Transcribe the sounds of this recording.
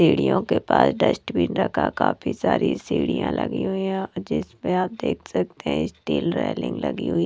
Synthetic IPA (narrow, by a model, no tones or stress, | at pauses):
iːɽijõkepaːsɖəsʈbʱiːnɾəkʰakaːpʰisaːɾisiːɽijãlʔəɡiɦʊiɛ̃ɔːɾd͡ʒɪspeaːp̚d̪eːkʰsək̚t̪eɦɛ̃ɪsʈiːlɾɛːlɪ̃ŋɡləɡiɦʊi